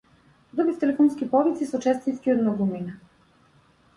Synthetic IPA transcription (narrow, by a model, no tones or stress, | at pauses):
d̪ɾuɡift̪ɛlɛfɔnskʲipɔvit̪sisɔt͡ʃɛst̪iskʲiɔd̪nɔɡumina